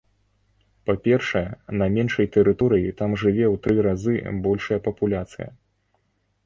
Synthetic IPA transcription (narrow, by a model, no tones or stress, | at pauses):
papʲɛrʂɐjɛnɐmʲɛnʂɐjt̪ɛɾɨt̪ɔɾɨjit̪amʐɨvʲɛwt̪ɾɨɾazɨ̰bɔlʲʂɐjɐpɐpulʲat̪sɨjɐ̰